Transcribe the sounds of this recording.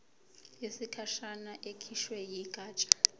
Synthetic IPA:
jesikʰaʃanaʔekʰiʃwɛjikʼaːt͡ʃʼḁ

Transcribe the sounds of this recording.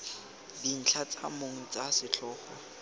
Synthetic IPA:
din̩t͡ɬʰat͡sʰʼa̰moŋ̩t͡sʼasɪt͡ɬʰɔːχɔ̰

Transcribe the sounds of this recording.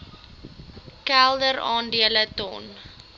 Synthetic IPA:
kælˠdəɾɑːndiələtɔ̰n

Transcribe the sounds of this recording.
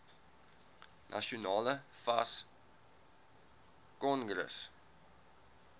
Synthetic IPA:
nʔa̰ʃunɑːləfɐs | kɔnɡɾə̰s

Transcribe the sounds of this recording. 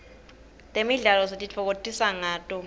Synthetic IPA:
tʼemiɮalɔs̬etʼit͡fʰɔk̬ʼotʼisaŋaːtʼɔ

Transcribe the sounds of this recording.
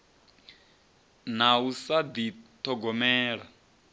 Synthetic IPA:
nausad̪it̪ʰɔɡɔmɛːɺa

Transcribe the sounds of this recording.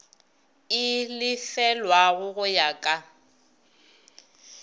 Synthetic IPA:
ɪlɪfɛlwaɣʊɣʊjakʼa

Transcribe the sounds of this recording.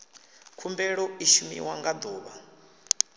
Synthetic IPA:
kʰumbɛɺɔiʃumḭwaŋɡad̪ɔːβa̰

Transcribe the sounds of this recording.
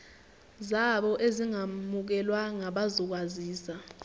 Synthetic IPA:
zaɓɔʔeziŋamuk̬ɛlwaŋaɓazɔk̬waziːsa

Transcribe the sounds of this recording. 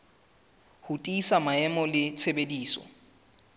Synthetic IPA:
hʊtʼisamaɛmɔlɪt͡sʰebediːsɔ̰

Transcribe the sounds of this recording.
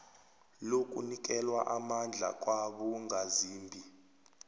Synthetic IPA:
lokʼunik̬ʼɛlwaʔamand͡ɮʱa̰kʼwaɓuŋɡʱaziːmbʱi

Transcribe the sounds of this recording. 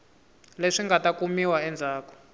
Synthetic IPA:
leʂiŋɡatakumiwaɛnd͡zʱaːkɔ̥

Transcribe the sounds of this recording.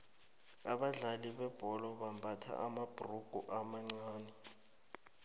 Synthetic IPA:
aɓaɮaliɓɛb̥ʱɔlɔɓambʱatʰa̰ʔamab̥ʱuruɡ̥ʱuʔamaŋ͡ǀaːnɛ

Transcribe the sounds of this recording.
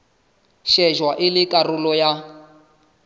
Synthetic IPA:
ʃɛʒwaʔɪlɪkʼarʊlɔja

